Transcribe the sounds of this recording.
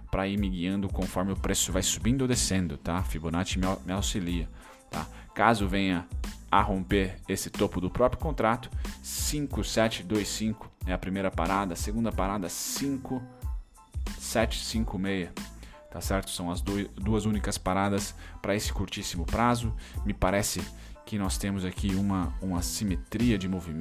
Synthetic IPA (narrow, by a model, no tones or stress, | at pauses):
pɾaiɾmɪɡiɐ̃nd̪ʊkõfɔɾmɪʊpɾesʊvajsubĩnd̪od̪esẽnd̪ʊt̪afibonat͡ʃɪmmɪawsiliɐ | t̪a̰ | kazʊvẽjɐaɦõmpeɾesɪt̪opʊd̪ʊpɾɔpɾjʊkõnt̪ɾat̪ʊ̥sĩŋkʊsɛt͡ʃɪd̪ojsĩŋkʊ̥ɛɐpɾimejɾɐpa̰ɾad̪ɐseɡũnd̪ɐpaɾad̪ɐsĩŋkʊ | sɛt͡ʃɪ̥sĩŋkʊmejɐ | t̪asɛɾt̪ʊ̥sɐ̃w̃ɐzd̪od̪uɐzũnikɐspaɾad̪ɐspɾɐesɪ̥kuɾt͡ʃisimʊpɾazʊmɪpaɾɛsɪ | kɪnɔst̪ẽmʊzakiũmɐũmɐsimet̪ɾiɐd͡ʒɪmovim